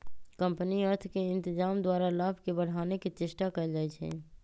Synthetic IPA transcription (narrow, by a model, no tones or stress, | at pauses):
kə̃mpniəɾt̪ʰkeɪ̃nt̪ɪd͡ʒaːmd̪waːɾalaːbʱkebəɽ̤aːneket͡ʃɪʃʈakəd͡ʒaːɛt͡ʃʰɛ̰ː